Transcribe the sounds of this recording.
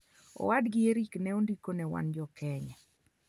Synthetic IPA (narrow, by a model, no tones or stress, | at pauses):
ɔ̰wadɡɪeɾiknɛondikonɛwa̰nd͡ʒɔkʰɛɲɛ